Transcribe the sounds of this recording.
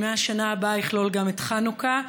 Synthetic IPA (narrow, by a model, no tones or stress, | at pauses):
meaʃanaːbaiχlo̞lɡametχanuka